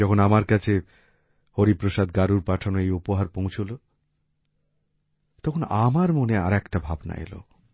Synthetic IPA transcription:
ɔkʰonamaɾkat͡ɕʰe | hoɾipɾoʃad̪ɡaɾuɾpaʈʰanoejupoɦaɾpõw̃t͡ɕʰolo | t̪ɔkʰonamaɾmonea̰ɾɛkʈabʱabna̰ḛlo̰

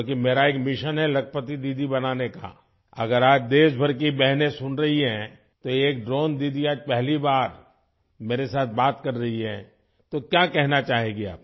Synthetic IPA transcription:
ok̬imeːɾaeːkmɪʃənɦɛlɐkʰpət̪id̪iːd̪ʱibɐnaːneka̰ | ɐ̰ɡəɾaːd͡ʒd̪eːsbʱɐɾk̬ibɛɦnesʊnɾɐɦiɦɛ̃ | t̪oeeːk̚ɖɾoːnd̪iːd̪ʱiaːd͡ʒpɛɦlibaːɾ | meːɾesaːt̪̚ʰbaːt̪kɐɾːɐɦiɦɛ̰̃ː | t̪okjaːkɛɦnat͡ʃaːɦẽːɡea̰ːp̚

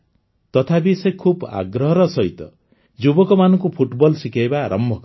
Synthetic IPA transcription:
t̪ɔt̪ʰabisekʰuba̰ɡɾɔɦɔɾɔsɔɦit̪ɔ | d͡ʒubɔkɔmanɔŋkupʰuʈbɔlsikejbaɾʔɔmbʱɔk

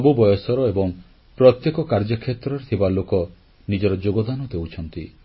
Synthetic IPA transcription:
ɔbubɔjɔsɔɾɔebɔŋ | pɾɔt̪jekɔkaɾd͡ʒɔkʰet̪ɾɔɾet̪ʰibalokɔ | nid͡ʒɔɾɔd͡ʒoɡɔd̪anɔd̪ewt͡ʃʰɔnt̪i

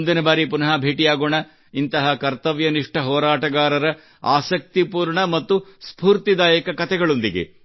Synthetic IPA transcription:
nd̪inɐbaːɾipunɐɦabʱeːʈijaːɡoːɳɐ | int̪ɐɦɐkɐɾt̪ɐʋjɐniʂʈɐɦɔːɾaːʈɐɡaːɾɐɾɐ | aːsɐk̚t̪ipuːɾɳɐmɐt̪ːuspuːɾt̪id̪aːjɐkɐkɐt̪ʰɛɡɐɭond̪iɡḛ

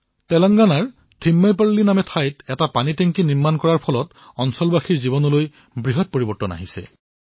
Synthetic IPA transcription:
tɛlɔŋɡanaɹ | tʰimːajpaɹlinamɛtʰajtɛtapanitɛŋkiniɹmankɔɹaɹpʰɔlɔt | ɔnsɔlbaxʰiɹzibɔnɔloj | bɹiɦɔt̚poɹibɔɹtɔna̰ɦisɛ̰

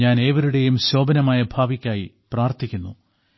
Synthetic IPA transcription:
aːne̞ːʋɐɾuɽe̞jumɕo̞ːbɐnɐmaːjɐbʱaːʋikʲːaːji | praːrt̪ʰikʲːunːṵ

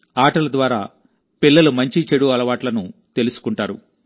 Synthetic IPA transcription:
aːʈɐlɐd̪ʋaːɾaː | pilːɐlumɐɲt͡ʃit͡ʃeɽuɐlɐʋaːʈlɐnut̪e̞lusu̥kuɳʈaːɾṵ

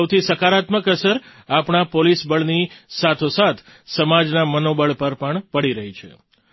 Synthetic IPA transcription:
əwt̪ʰisəkaɾat̪məkəsəɾ | apɳapolisbəɭnisat̪ʰosat̪ʰ | səmad͡ʒnamənobəɭpəɾpəɳpəɽiɾəɦit͡ʃʰḛ

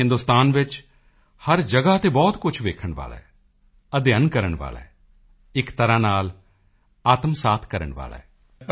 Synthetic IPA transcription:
ɦɪ̃nd̪ʊst̪aːnʋɪt͡ʃ | hɐɾd͡ʒəɡat̪ebɔːt̪kʊt͡ʃʰʋeːkʰəɽ̃ʋa̰ːlɛ̰ː | ɐd̪jənkəɾəɽ̃ʋa̰ːlɛ̰ː | ɪkt̪əɾanaːl | aːt̪msaːt̪ʰkɐɾə̰ɳ̃ʋa̰ːlɛ̰ː

